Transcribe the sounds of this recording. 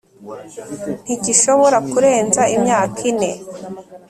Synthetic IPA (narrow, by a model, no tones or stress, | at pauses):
n̥iɟiʃo̞βo̞ɾakuɾe̞ːnzaimɲaːkʰine̞